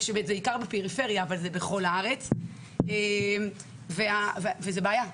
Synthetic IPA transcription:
ʃemetzeikaʁbepeʁifeʁjaːvalzebeχo̞laaʁet͡s | em | veavevezebeaja

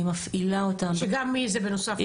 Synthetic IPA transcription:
imafilaot̪amʃeɡamːizɛbenosaf

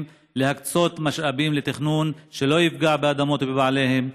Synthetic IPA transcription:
m | lehakt͡so̞t̪maʃʔabimlet̪iχnunʃe̞lo̞jifɡaʕbead̪amo̞t̪bebaʕle̞he̞m

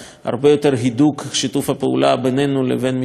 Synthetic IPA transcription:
ha̰ʁbe̞jo̞t̪eʁɦid̪ukʃit̪ufhapeṵlabenenulḛvenmi

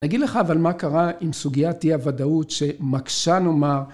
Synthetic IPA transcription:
naɡid̪leχaːvalmakaʁaimsuɡijat̪iavadautʃe̞makʃano̞maʁ

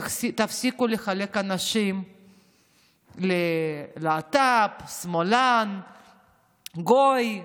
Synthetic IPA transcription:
t̪afsikuleχale̞kanaʃim | leleat̪apsmolan | ɡoj

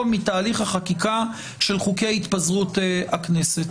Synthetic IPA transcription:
vmitaːliχhaχakika | ʃe̞lχukejait̪pazʁutakneset̪

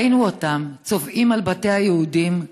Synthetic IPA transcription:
nuotamt͡so̞vʔimalbate̞jajeudim

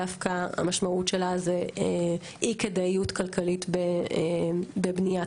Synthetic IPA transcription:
afkaa̰maʃmautʃelazee | iked̪aijutkalkʰalitbe | bebnija

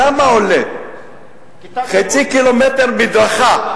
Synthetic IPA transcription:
amaoled̪ | χet͡sikilomet̪eʁbid̪ʁaχa

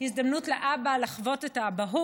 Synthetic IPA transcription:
hizd̪amnutleʔabalaχvo̞tetaːbaɦu

